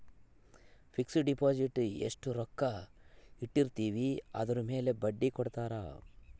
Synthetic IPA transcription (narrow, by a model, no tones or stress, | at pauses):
pʰiksɖipaːd͡ʒiʈḛʂʈuɾɔkːɐiʈːiɾt̪iːʋiɐ̰d̪ɐɾume̞ːle̞bɐɖːikɔɽt̪aːɾa̰ː